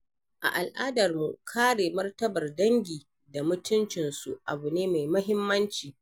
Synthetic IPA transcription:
ʔa̰˨ʔa˨lʔaː˦dɐ˨rmṵ˨kʰaː˦ɽeː˨mɐ˦rtɐ˦bɐ˨rdɐ˦ŋɡʲiː˨ | da˨mʊ˦tʊ˦nt͡ʃɪ˨nsu˨ʔa̰˨bu˨neː˦ma˨jmɐ˦ɦɪ˦mːɐ˦nt͡ʃiː˨

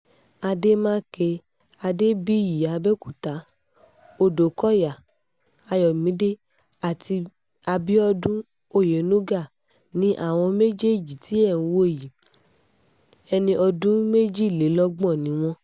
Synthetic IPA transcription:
a˧de˦mãː˦ke˧ | a˧de˦bi˦ji˨a˨˧bɛ˦ku˦˨ta˨˦ | o˦˨do˨kɔ˦ja˨ | a˧jɔ˨mĩ˨˦de˦ | a˨ti˧ | a˧bi˦ɔ˧dũ˦ | o˦˨je˨˦nu˦ɡa˦˨ | nĩ˨˦ʔa̰˦˨w̃ɔ̃˧me˦d͡ʒe˦˨d͡ʒi˨ti˨˦ɛ˦˨˦wo˦e˨ji˨ | ɛ˧nĩ˧ɔ˧dũ˦me˦d͡ʒi˦˨le˨˦lɔ˦ɡ͡bɔ̃˦˨nĩ˨˦w̃ɔ̃˧

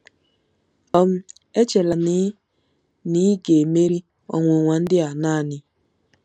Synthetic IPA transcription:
ɔ˦m̩˦ | e˦t͡ʃe˨la˨n˦ | ni˦ɡe˨me˦ɾi˦ | ɔ̰˨ŋʷo˨ŋʷa˨n̩˦dɪ˦a˨naː˦˨nɪ˦

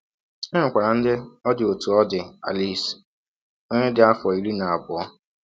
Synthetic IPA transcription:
e˦ŋʊ˨kʷa˨ɾa˨n̩˦dɪ˦ɔ˦dɪ˨o˨tu˨ɔ˦dɪ˨a̰˨li˦˨s | o˦ɲe˦dɪ˨a˦fɔ˨i˨ɾi˦na˨a˨bʊ˨ɔ˦

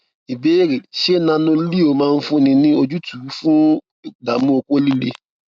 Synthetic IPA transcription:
i˨be˨˦ɾe˨ʃe˦nã˧nõ˧˦li˦o˨˦mãː˦˧n̩˦fũ˦nĩ˧nĩ˦o˦˧d͡ʒu˦tu˨˦fũ˦˨ | da˨mũ˦o˧ko˦li˦le˧

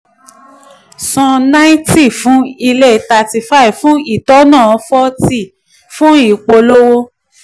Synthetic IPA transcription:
sɔ̃˧na˦i˦ti˦˨fũ˦i˧le˦˨ta˧ti˧fa˦i˨fũ˨˦i˦˨tɔ˨˦nãː˦˨ɔ˧fɔ˦ti˦˨ | fũ˦i˦˨k͡po˧lo˦wo˦

